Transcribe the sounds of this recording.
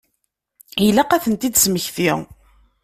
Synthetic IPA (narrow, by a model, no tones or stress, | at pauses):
ilæqæθənt̪id̪sməçθiʁ